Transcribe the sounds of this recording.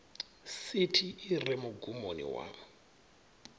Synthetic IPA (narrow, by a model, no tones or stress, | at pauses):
sitʰiːrɛmʊɡumo̰nḭwa̰